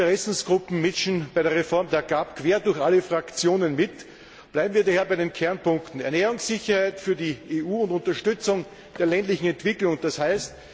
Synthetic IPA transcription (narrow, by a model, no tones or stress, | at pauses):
təʁɛsn̩sɡ̥ʁʊpm̩mɪʃn̩b̥aɪɾeːɐʁefɔɐmdeːɐɡapkʰv̥eːɐdʊɐçʔaləfʁ̥akt͡sjoːnənmɪt | b̥læɪbm̩viːɐdaheːɐbaɪɾenkʰɛɐnpʊŋktn̩ɛɐnɛːʁʊŋsːɪçɐhaɪtfyːɐdieːʔuːʊntʊ̃ntɐʃtʏt͡sʊŋ | d̥eːɐlɛntlɪçŋ̩ɛntv̥ɪklʊŋd̥ashaɪst